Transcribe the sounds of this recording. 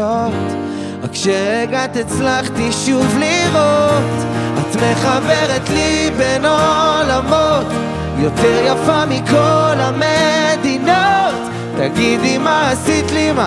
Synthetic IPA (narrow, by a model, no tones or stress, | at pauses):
ot | akʃeʁeɡat̪et͡slaχt̪iʃuvliʁot̪at̪meχabeʁet̪libenolamot̪ | jot̪ɛʁjafamikolamed̪inot̪ː | aɡid̪imaːsit̪lima